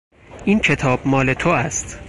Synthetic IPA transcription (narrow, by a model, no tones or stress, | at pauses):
ʔiːncʰe̞t̪ʰɒːb̥̚mɒːle̞t̪ʰoæst̪